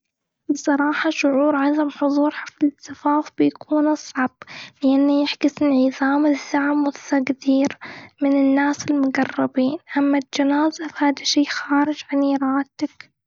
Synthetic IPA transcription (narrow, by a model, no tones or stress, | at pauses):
bɨsˤɑɾˤɑːħɑʃʊʕuːɾˤʕaðamħʊðˤuːɾˤħaflɪlɪsafaːfbɪjakʰuːnɑsˤʕɑb̥lɪʔanːajɪħɡɪsɪnʕiðaːmɪzːaʕmwʊθaɡd̪iːɾmɪnɪnːaːsɪlmʊɡɑrˤːɑbiːnʔamːad͡ʒanaːzafahaːd̪aʃiːxaːɾɪd͡ʒʕaniɾˤɑːʔt̪ak